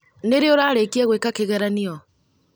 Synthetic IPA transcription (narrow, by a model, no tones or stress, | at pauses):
neɾeoɾaːɾekiɛɣwekakeɣɛɾaniɔ